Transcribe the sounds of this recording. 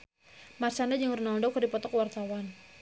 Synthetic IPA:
mart͡ʃandad͡ʒaŋrunaɔndɔwkɨrdipɔt̪ɔkwart̪awan

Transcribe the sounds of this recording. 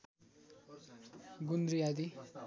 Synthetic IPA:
ɡund̪ɾijad̪i

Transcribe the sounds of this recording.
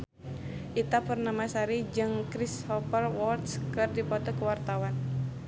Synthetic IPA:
ʔit̪apərnamasaɾid͡ʒɨŋkɾishɔpərwɔrt̪skɨrdipɔt̪ɔkəwart̪awan

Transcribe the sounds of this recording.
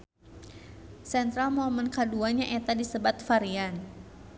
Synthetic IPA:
sɛnt̪ɾalmɔmənkaduanɲaŋʔɛt̪adisəbat̪̚faɾian

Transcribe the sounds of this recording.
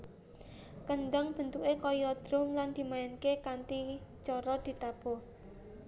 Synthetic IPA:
kənɖəŋb̥ə̤nt̪uʔekɔjɔd̪̥ɾʊmland̪̥i̤maɛnkekant̪it͡ʃɔɾɔd̪̥i̤t̪ab̥ɔ̤

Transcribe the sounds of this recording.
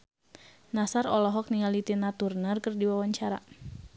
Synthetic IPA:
nasaɾɔlɔɦɔk̚niŋalit̪inat̪urnərkɨrdiwawaɲt͡ʃaɾa̰

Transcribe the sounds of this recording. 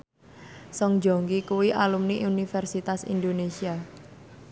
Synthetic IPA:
sɔŋd͡ʒo̤ŋɡikuwiʔalumniʔunifɛrsit̪asḭnd̪onesia

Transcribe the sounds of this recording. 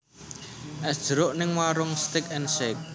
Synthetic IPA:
ʔɛsd̥ʒ̥əɾʊʔnɪŋwaɾʊŋst̪ɪkɛnsek̚

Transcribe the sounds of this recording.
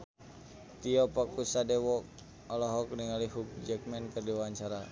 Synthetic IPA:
t̪iɔpɔk̚usadɛwɔk | ɔlɔɦɔk̚niŋaliɦuk̚d͡ʒɛkmɛnkərdiwaɲt͡ʃaɾa

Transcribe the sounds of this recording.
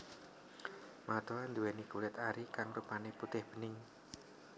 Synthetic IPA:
mat̪oand̪uwɛnikulɪt̪aɾikaŋrupaneput̪ɪhb̥ənɪŋ

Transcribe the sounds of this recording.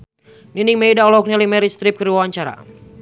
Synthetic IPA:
niniŋmejdaɔlɔk̚nilimɛɾist̪ɾɪp̚kəɾiwwaɲt͡ʃaɾa̰

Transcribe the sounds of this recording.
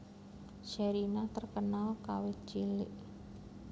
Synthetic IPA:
ʃeɾinat̪ərkənalkawɪt͡ʃilɪ̰ʔ

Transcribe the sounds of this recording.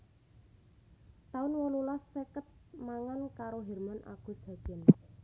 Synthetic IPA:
t̪aʊnwɔlulasːekət̪̚maŋankaɾoɦɛrmanʔa̰ɡ̥ʊ̤sɦa̤d̪ɛn

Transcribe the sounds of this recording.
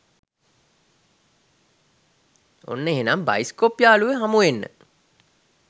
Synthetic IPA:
o̰nːəeɦenamba̰jskopjaːluʋeɦamuʋenːə̰

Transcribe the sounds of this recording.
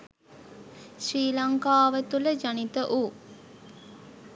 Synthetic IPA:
sɾiːlɐŋkaːʋət̪uləd͡ʒanit̪əʔuː

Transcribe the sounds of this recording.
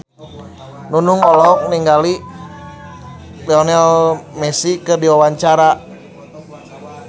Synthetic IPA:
nunuŋɔlɔɦɔk̚niŋɡali | dɛɔnɛlmɛsikɨrdiwawaɲt͡ʃaɾa

